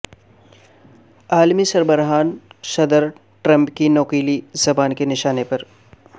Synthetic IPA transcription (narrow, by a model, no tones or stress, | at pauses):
aːlmisɐɾbəɾɦaːnʃɐd̪əɾ | ʈɾɐ̃mpkinoːkiːlizɐbaːnkenɪʃaːnepɐɾ